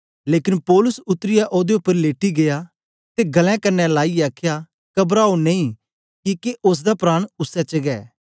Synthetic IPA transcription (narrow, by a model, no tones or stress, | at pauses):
leːkɪnpɔːlʊsʊt̪ːɾɪjaʔoːd̪eʊpːəɾleːʈiɡeja | t̪eɡɐlɛ̃kɐɾnɛlaːiaːkʰja | kɐbɾaːonẽĩ | kikeʔʊs̬d̪apɾaːɽ̃ʊsːɛt͡ʃəɡɛ̰ː